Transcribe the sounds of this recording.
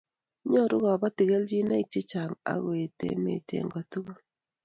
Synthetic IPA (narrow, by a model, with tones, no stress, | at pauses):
ɲo˦ɾu˦ɣa˨βa˦ti˨ɣe˦ld͡ʒi˦na˦i˨t͡ʃe˦t͡ʃa˨ŋa̰˨ɣwe˨tḛ˨mḛ˨tḛ˨ŋɡa˨tu˦ɣo˦